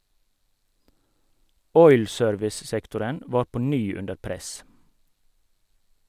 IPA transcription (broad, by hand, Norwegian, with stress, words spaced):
ˈɔʏl ˈsøːɾʋɪs ˈsɛktʊɾən ˈʋɑːɾ ˈpɔ ˈnyː ˈʉndəɾ ˈpɾɛs